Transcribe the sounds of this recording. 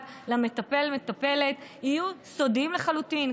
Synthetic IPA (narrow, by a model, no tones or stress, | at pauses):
lamet̪apelmet̪ape̞letijuso̞dimleχalutin